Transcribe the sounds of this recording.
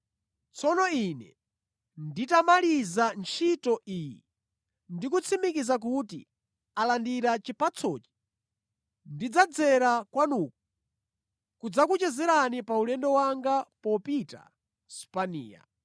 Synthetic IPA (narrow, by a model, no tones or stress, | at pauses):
t͡sʰɔnɔinɛ̰ | nditamalizant͡ʃʰitɔʔiːjḭ | ndik̬ut͡sʰimikizak̬utḭ | alandiɾat͡ʃipʰat͡sʰɔːt͡ʃi̥ | ndid͡zad͡zɛɾakwanuːk̚u | kud͡zakut͡ʃɛzɛɾanipaulɛndɔwaŋɡapɔpita̰ | su̥panḭːja̰